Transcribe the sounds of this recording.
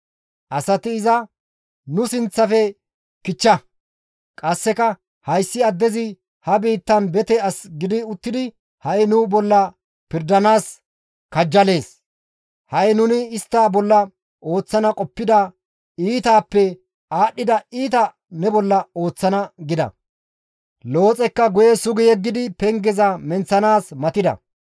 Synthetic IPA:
ʔɐsɐt̪ɪːzɐ | nʊsɪnt͡sːɐfɛ | kɪt͡ʃːɐ | kʼɐsːɛkɐ | hɐjsːɪɐd̪ːɛzɪ | hɐbiːt̪ːɐnbɛt̪ɛɐsɡɪd̪ɪʊt̪ːɪd̪ɪ | hɐjnʊbɔlːɐ | pɪɾd̪ɐnaːs | kɐd͡ʒːɐle̞ːs | hɐjnʊnɪːst̪ːaːbɔlːɐ | ʔo̞ːt͡sːɐnɐkʼɔpːɪd̪ɐ | iːt̪aːpːɛ | aːɗːɪd̪ɐiːt̪ɐ | nɛbɔlːɐo̞ːt͡sːɐnɐɡɪd̪ɐ̰ | lo̞ːt͡sʼɛkːɐɡʊjɛsʊɡɪjɛɡːɪd̪ɪpɛŋɡɛzɐmɛnt͡sːɐnaːsmɐt̪ɪd̪ɐ̰

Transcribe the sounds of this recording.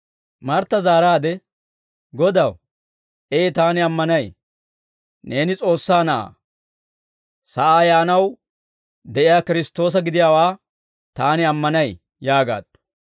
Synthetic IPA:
mɐɾt̪ːɐzaːɾaːd̪ɛ | ɡɔd̪ɐw | eːt̪aːnɪɐmːɐnɐj | ne̞ːnɪt͡sʼo̞ːsːaːnɐʔa̰ː | sɐʔaːjaːnɐw | d̪ɛʔɪjaːkɪɾɪst̪ːo̞ːs̬ɐɡɪd̪ɪjaːwaː | t̪aːnɪɐmːɐnɐj | jaːɡa̰ːd̪̥ːʊ̥

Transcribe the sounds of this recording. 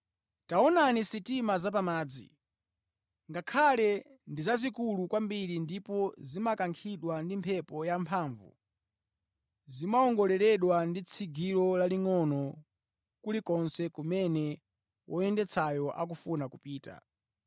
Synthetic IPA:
taɔnanisitimazap̬amaːd͡zḭ | ŋɡakʰalɛ | ndizazikulukwambiɾindipɔzimakaŋkʰiɗwandimpʰɛpɔjampʰaːɱvṵ | zimaɔŋɡɔlɛɾɛɗwandit͡sʰiɡiɾɔlaliŋɔnɔ | kulikɔnsɛkumɛnɛ | wʔɔjɛndɛt͡sʰajɔʔak̬ufunakupiːta̰

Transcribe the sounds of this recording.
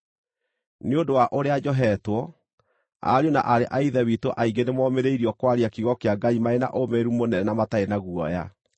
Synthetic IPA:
neodowaʔoɾead͡ʑɔɦɛtwɔ | a̰ɾona̰ʔaɾeʔaiðɛwitoʔaiŋɡenemwɔmeɾeiɾiɔkwaɾiakiɣɔkeaɡaimaena̰ʔomeɾumonɛnɛnamataenaɣuɔ̰ja

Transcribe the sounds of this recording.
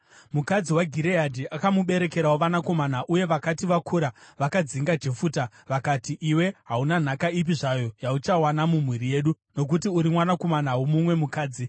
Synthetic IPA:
mukad͡ziwaɡʱiɾeadʱiʔakamuɓe̞ɾe̞ke̞ɾaoʋanako̞manaʔuje̞ʋakatiʋakʰuɾaʋakad͡ziŋɡad͡ʒefuːta | ʋakatiʔiwe̞ɦaunan̤akaip̬iʐajo̞jaut͡ʃawanamum̤wiɾije̞ːɗu | no̞k̬utiuɾimwanako̞manawumumwe̞mukaːd͡zi

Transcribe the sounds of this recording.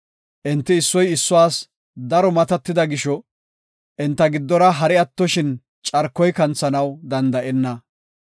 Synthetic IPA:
ʔɪnt̪ːɪːsːɔjɪsːʊaːs | d̪ɐɾɔmɐt̪ɐt̪ːɪd̪ɐɡɪʃɔ | ʔɪnt̪ːɐɡɪd̪ːɔɾɐɦɐɾɪɐt̪ːɔʃɪn | t͡ʃʼɐɾkːɔjkɐnt͡sːɐnɐwd̪ɐnd̪ɐʔɛnːɐ

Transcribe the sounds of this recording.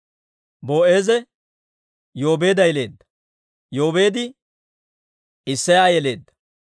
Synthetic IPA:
bo̞ːʔe̞ːzɛ | jo̞ːbeːd̪ɐjle̞ːd̪ːɐ̥ | jo̞ːbe̞ːd̪ɪ | ɪsːɐjaːjɛle̞ːd̪ːɐ̥

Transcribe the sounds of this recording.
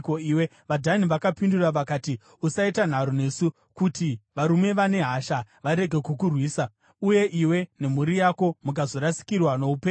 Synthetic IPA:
koiːwe | ʋadʱaniʋakapinduraʋakaːti | usaitan̤aɾone̞ːsu | kutiʋaɾume̞ʋane̞ɦaʃaʋaɾe̞ɡʱe̞kukurwiːsa | uje̞ʔiwe̞ne̞muɾijako̞muk̬azo̞ɾasi̥kirwano̞upeː

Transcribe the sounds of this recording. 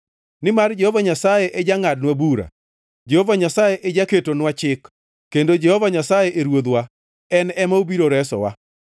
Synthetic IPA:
nɪmard͡ʒɛhovaɲasajeʔɛd͡ʒaŋad̚nwabuɾa̰ | d͡ʒehovaɲasajeʔɛd͡ʒaketonwat͡ʃɪkː | endod͡ʒɛhɔvaɲasajeʔeɾwod̪wa | ɛnɛmaobiɾoɾɛsɔ̰wa̰

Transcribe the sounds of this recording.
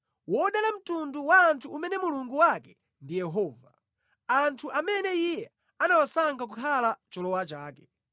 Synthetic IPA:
wɔɗalam̩tunduwaːntʰuːmɛnɛmuluŋɡuwakɛ | ndijɛɦɔːva | antʰuʔamɛnɛijɛ | anawasaŋɡak̬ukʰalat͡ʃɔlɔwat͡ʃaːkɛ

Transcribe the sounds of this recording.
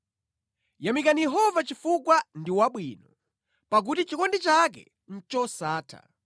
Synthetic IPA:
jamikanijɛɦɔvat͡ʃifukwandiwaɓwinɔ | pak̬utit͡ʃikɔndit͡ʃak̬ɛ̰ | n̩t͡ʃɔsaːtʰa̰

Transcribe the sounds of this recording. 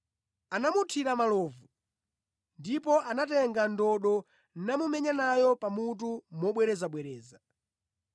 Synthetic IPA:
anamutʰiɾamalɔːvu | ndipɔʔanatɛŋɡandɔɗɔ | namumɛɲanajɔpamut̬umɔɓwɛɾɛzaɓwɛɾɛːza

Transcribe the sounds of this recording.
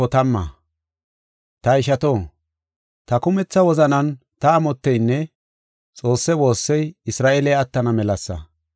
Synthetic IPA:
ɔt̪ɐmːɐ̰ | t̪ɐɪʃɐt̪oː | t̪ɐkʊmɛt͡sːɐwɔzɐnɐn | t̪ɐːmɔt̪ːɛjnːɛ | t͡sʼo̞ːsːɛwo̞ːsːɛjɪsɾaːʔeːlɛjɐt̪ːɐnɐmɛlɐsːɐ̰

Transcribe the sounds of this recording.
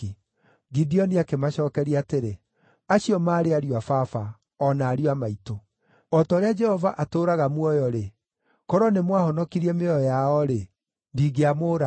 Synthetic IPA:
i | ɡidiɔniakemaɕɔːkɛɾiaːteɾe | aɕiɔmaːɾeaɾiwafafa | ɔnaːɾiwamaito | ɔtɔɾead͡ʒɛhɔvaʔatoːɾaɣamwɔjɔɾe | kɔɾɔnemwahɔnɔkiɾiɛmeɔjaɔɾe | ndiːɣeamoɾa

